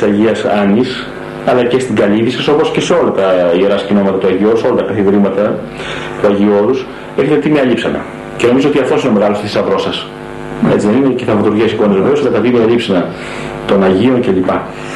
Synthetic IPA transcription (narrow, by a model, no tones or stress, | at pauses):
sɐʝiɐsɐnis | ɐlɐce̞st̪iɡɐliðisɐsopo̞sce̞se̞o̞lɐt̪ɐieɾɐscino̞mɐt̪ɐt̪uɐʝio̞ɾuseolɐt̪ɐkɐθiðeɾimɐt̪ɐ | t̪uɐʝio̞ɾus | eçet̪et̪imeɐlipsɐnɐ̰ | ce̞no̞mizoot̪iɐft̪o̞sin̞me̞ɣɐlost̪isisɐðɾo̞sɐs | e̞t͡siðenineceθɐvɐt̪uɾʝiɐsiko̞nezve̞veosɐlɐt̪ɐt̪imeɐlipsɐnɐ | t̪o̞nɐʝio̞nce̞lipɐ